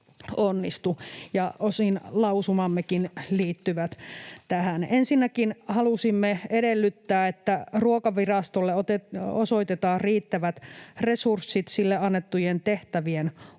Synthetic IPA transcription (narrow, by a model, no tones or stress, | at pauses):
onːist̪ujɑosinlɑusumɑmːekinliːt̪ːyʋæt̪t̪æhænensinːækinhɑlusimːeeɾelːyt̪ːæːet̪ːæruokɑʋirɑst̪olːeot̪eosoit̪et̪ɑːriːt̪ːæʋæt̪resursːit̪silːeɑnːet̪ːujent̪eht̪æʋien